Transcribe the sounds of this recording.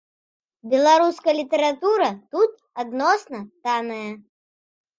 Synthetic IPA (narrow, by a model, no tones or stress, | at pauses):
bʲɛlˠaɾuskɐjlʲit̪ɛɾat̪uɾɐt̪ut̪̚ | ad̪nɔsnɐt̪anɐjɐ